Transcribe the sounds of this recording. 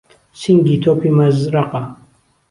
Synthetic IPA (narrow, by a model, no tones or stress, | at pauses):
siŋɡit̪ʰopʰimɐzɾaqa